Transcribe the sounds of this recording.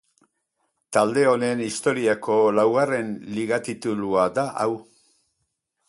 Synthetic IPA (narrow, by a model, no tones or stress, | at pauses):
t̪ald̪e̞o̞ne̞nist̪o̞ɾiako̞lawɣare̞nliɣat̪it̪uluad̪aʔaw